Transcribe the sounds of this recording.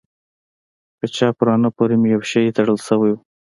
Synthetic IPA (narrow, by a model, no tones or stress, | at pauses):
pət͡ʃɑpʊɾɑnəpoɾemʊjawʃajet̪aɽəlsəwaju